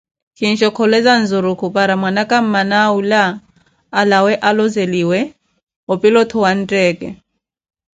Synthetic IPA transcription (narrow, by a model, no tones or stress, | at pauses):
kʰin̩ʃɔkʰɔlɛzan̩zʊɾukʰupʼaɾamwanakʼam̩manaulaː | lawɛʔalɔzeliwɛ | ɔpʼilɔt̪ʰɔwan̩tʼɛːkʼɛ̰